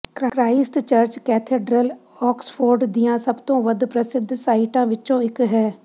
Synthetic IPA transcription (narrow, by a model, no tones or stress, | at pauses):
kɾakɾaːɪsʈt͡ʃəɾt͡ʃkɛːt̪ʰeːɖɾəl | ɔːkspʰoːɾɖd̪ijãːsəbt̪õːʋəd̪pɾəsɪd̪ʱːsaːiʈãːʋɪt͡ʃõːɪkɦɛː